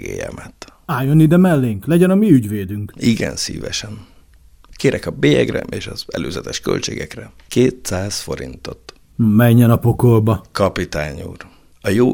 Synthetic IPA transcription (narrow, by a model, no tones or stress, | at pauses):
ɡḛːjɛmʔɛt̪aːjonid̪ɛmɛlːeːŋklɛɟɛnɒmiyɟʋeːd̪yŋkiɡɛnsḭːvɛʃɛn | keːɾɛkɒbeːjɛɡrɛʔeːʃɒzɛløːzɛt̪ɛʃkø̰lt͡ʃeːɡɛkrɛ | keːt̪saːzfo̞ɾint̪o̞t̪ | mɛɲːɛnɒpo̞kolbɒkɒpit̪aːɲuːr | ɒjoː